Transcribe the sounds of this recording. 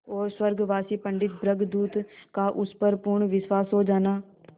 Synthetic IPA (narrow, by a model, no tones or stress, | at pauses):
ɔːɾswəɾɡʋaːsipə̃ɳɖɪt̪̚bɾəɡd̪uːt̪kaʔʊspəɾpʊɾɳʋɪswaːsɦoːd͡ʒaːnaː